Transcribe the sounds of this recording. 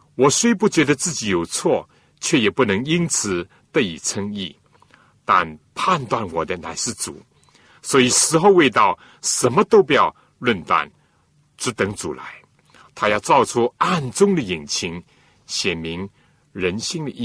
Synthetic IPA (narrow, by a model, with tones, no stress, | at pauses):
wɔ˨˩swe˥ɪp̬u˥˩t͡ɕɥɛ˧˥d̪ə˧t͡sɹ̩˥˩t͡ɕi˨˥jo˨˩ʊt͡sʰwɔ˥˩ | t͡ɕʰɥɛ˥˩jɛ˨˩pu˥˩nɤ˧˥ŋi˥nt͡sʰɹ̩˨˩ | t̪ə˥˧ḭ˨˩t͡sʰɤ˥ŋi˥˩ | t̪a̰˥˧npʰa˥˧nt̪wa˥˩nwɔ˨˩d̪ə˦na˧˥ɪʂɻ̩˥˩t͡sṵ˨˩˦ | swɔ˧˥i˨˩ʂɻ̩˧˥xo˥˧ʊwe˥˧ɪt̪ɑ˥˩ʊ | ʂə˧˥nmə˧t̪o˥ʊp̬u˧jɑ˥˧ʊ | lwə˥˧nt̪a̰˥˩n | ʈ͡ʂɻ̩˧˥t̪ə˧˥ŋt͡sṵ˨˩la̰˧˦ɪ | t̪ʰa˥jɑ˥˧ʊt͡sɑ˥˧ʊt͡sʰu˥a˥˩nt͡sʊ˥ŋd̪ə˨ji˨˩nt͡ɕʰi˧˥ŋ | ɕjɛ˨˩nmi˧˥ŋ | ɻə˧˥nɕi˥˧ŋd̪ə˨ʔi˥